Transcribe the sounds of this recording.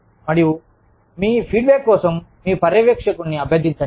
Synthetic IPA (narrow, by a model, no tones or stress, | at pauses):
mɐɽiju | miːpʰiːɖ̚beːkːɔːsɐmːiːpɐɾjɐʋekʂɐkunːiɐbʱed̪iɲt͡ʃɐ